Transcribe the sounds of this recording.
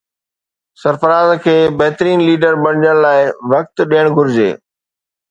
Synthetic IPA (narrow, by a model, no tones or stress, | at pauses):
sɐɾfəɾaːzkʰeːbɐɦɪt̪əɾiːnliːɖəɾɓɐɽ̤ɪd͡ʑəɽ̃laːɪʋɐk̚t̪ɗiːəɽ̃ɡʱʊɾɪd͡ʑḛː